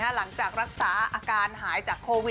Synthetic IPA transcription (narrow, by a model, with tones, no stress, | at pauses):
a˦˥la˩˦ŋt͡ɕaː˨˩k̚ɾa˦˥k̚saː˩˦ʔaː˧kaː˧nɦaː˩˦jt͡ɕaː˨˩kʰːoː˧wi˨˩